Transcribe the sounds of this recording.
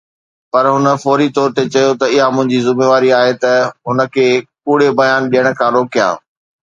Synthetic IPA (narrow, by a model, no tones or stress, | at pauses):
pɐɾɦʊnəfɔːɾit̪ɔːɾt̪et͡ɕɐjot̪ɐɪɦamʊ̃ɦɪ̃ɲd͡ʑizɪmeːʋaːɾiaːɦet̪ɐɦʊnə̆kʰeːkuːɽ̤ebɐjaːnɗijəɽ̃̆kʰãːɾoːkijã̰ː